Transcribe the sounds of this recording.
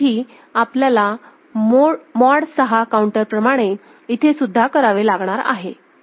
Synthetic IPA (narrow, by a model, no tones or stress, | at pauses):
iː | apljala | mmɔɽsəɦakauɳʈəɾpɾəmaɽ̃e | it̪ʰesud̪ʱːakəɾaʋelaɡɳ̃aɾa̰ɦe